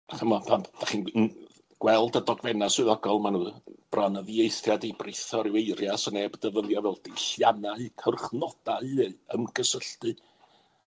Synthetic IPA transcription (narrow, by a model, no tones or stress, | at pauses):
aχʰəmɔpʰamd̥aχiːn | ɡ̥wɛlˠdədɔɡvɛnaswɪðɔɡɔlˠmanuːb̥ranəðiejθjadebrɨθɔɾɪweɨrjasənebdəvəðˠjɔvɛlˠdɪɬjanaɨkʰərχnɔd̥aɨəmɡ̥əsəɬtɨ